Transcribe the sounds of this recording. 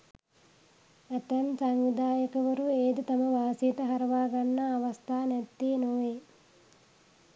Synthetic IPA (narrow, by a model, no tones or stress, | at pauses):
æt̪ɐnsaŋʋid̪aːjəkəʋəɾueːd̪ut̪ɐməʋaːsijet̪əɦɐɾɐʋaːɡanːɐːʋɐst̪ʰaːnɛt̪ːeːnoʋeː